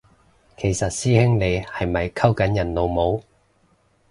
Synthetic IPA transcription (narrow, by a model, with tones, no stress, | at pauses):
kʰe˨˩jsɐ˨t̚siː˥hɪ˥ŋle˨˧jhɐ˨jmɐ˨jkʰɐ˥wkɐ˨˥njɐ˨˩nlo˨˧wmo˨˥w